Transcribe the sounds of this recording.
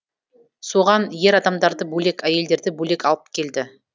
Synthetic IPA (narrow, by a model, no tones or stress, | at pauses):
soʁɑnje̞ɾɑd̪ɑmd̪ɑɾd̪əbɵle̞kæje̞ld̪e̞ɾd̪ɪbɵle̞kɑlˠəp̚kʲʰe̞ld̪ɪ